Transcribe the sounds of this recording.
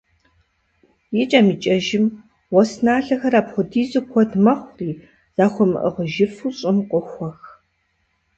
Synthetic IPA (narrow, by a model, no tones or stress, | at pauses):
jɪt͡ʃʼɐmit͡ʃʼɐʒɪm | wɔsnaːɬɐxɐɾaːpχʷʊdiːzʼɨkʷʰɔdmɐχʷriː | z̥aːxʷɔmɨ̰ʔə̰ʁəʒɪfɨɕʼɪmqʷʼʊxʷɔx